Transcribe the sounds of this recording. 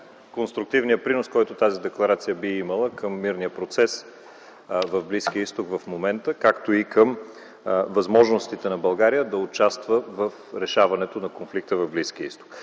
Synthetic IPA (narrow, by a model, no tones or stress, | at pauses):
konst̪ɾʊk̚t̪ivnijəpɾinoskɔjt̪ot̪azid̪ɛklˠɐɾat̪sijəbiimɐlˠəkʰəmːiɾnijəpɾot̪sɛs | vɐvblisk̟iəist̪okvɐfmomɛnt̪əkakt̪oikəm | vɐzmɔʒnost̪it̪ɛnɐbɐlˠɡaɾijəd̪ɐʊt͡ʃast̪vəvəfɾɛʃavɐnɛt̪onɐkonflik̚t̪əvɐvblisk̟iəist̪o̥k